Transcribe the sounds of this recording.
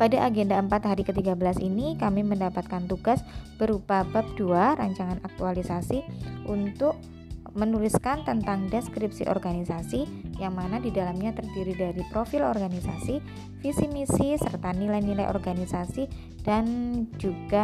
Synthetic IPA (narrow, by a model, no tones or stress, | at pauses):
padaʔaɡɛndaəmpat̪haɾikət̪iɡabəlasḭnikamiməndapat̪̚kant̪uɡasb̥əɾupabap̚duaɾaɲt͡ʃaŋanak̚t̪ualisasiʔunt̪ʊk̚ | mənulɪskant̪ənt̪aŋdɛskɾip̚sḭʔɔ̰rɡanisasijaŋmanadidalamɲat̪ərdiɾidaɾipɾofɪlɔrɡanisasi | fisimisisərt̪anilajnilajʔɔ̰rɡanisasi | d̥and͡ʒuɡa